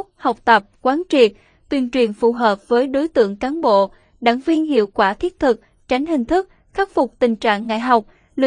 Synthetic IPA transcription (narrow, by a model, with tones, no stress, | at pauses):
ha˨˩wk͡p̚t̪ə˨˩p̚kwaː˨˦nt͡ɕḭ˧˩ | t̪wi˨˩ənt͡ɕwi˨˩ənfu˧˨˩ɦəː˨˩p̚vəː˨˦jɗo˨˦jt̪ɨ̰˧˨əŋkaː˨˦nɓo̰˧˨ | ɗa̰ː˧˨ŋvi˧ənhḭ˧˨əwkwaː˧˩t̪ʰi˦˥ət̚t̪ʰɨ˨˩k̚ | t͡ɕa˨˦jŋ̟ɦï˨˩ŋ̟t̪ʰɨ˦˥k̚ | xaː˦˥k̚fʊ˨˩k͡p̚t̪ï˨˩ŋ̟t͡ɕa̰ː˧˨ŋːa̰˧˨jɦa˨˩wk͡p̚ | lḭ˧